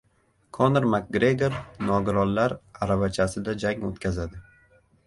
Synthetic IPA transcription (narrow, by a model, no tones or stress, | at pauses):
kʰonɾmak̚ɡɾeɡʲeɾnɒɡɪɾɒnlaɾaɾavat͡ʃʰasɪd̪ad͡ʒaŋo̰t̪kʲazad̪ɪ